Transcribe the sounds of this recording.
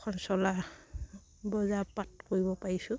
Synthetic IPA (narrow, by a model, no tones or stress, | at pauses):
kʰɔnsɔla | bɔzapatkoɹibɔpaɹisʊ̃